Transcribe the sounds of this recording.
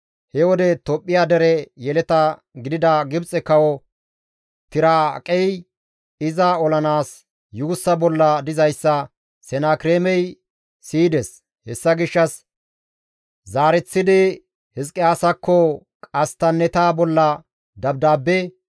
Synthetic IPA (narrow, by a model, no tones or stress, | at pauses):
hɛwɔd̪ɛt̪ɔpʼːɪjaːd̪ɛɾɛjɛlɛt̪ɐ | ɡɪd̪ɪd̪ɐɡɪbt͡sʼɛkɐwɔ | t̪ɪɾaːkʼɛj | ɪzaɔlɐnaːs | juːsːɐbɔlːɐd̪ɪzɐjsːɐ | sɛnaːkɪɾeːmɛj | siːd̪ɛs | hɛsːɐɡɪʃːɐs | zaːɾɛt͡sːɪd̪ɪ | hɪskʼːɪaːsɐkʰːɔ | kʼɐst̪ɐnːɛt̪aːbɔlːɐ | d̪ɐb̚d̪aːbːɛ